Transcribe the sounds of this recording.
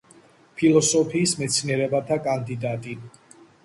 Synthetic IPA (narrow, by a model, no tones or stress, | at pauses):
pʰilˠɔsɔpʰiːsmɛt̪sʰniɛɾɛbat̪ʰakʼand̪id̪at̪ʼi